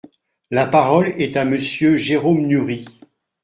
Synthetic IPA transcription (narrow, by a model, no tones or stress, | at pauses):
lapaʁɔlɛt̪aməsjøʒeʁomnyʁi